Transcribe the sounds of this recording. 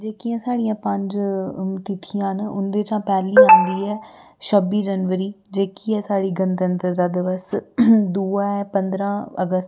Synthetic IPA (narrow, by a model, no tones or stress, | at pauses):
d͡ʒeːkiãːsaːɽijãːpəɲd͡ʒt̪ɪt̪ʰijãːnʊ̰nd̪eːt͡ʃãːpɛːliːãːnd̪iːɛː | ʃəbiːd͡ʒənʋəɾiː | d͡ʒeːkiːɛːsaːɽiːɡənt̪ənt̪əɾd̪aːd̪ɪʋəsd̪uːaːɛːpənd̪ɾãːə̰ɡəst̪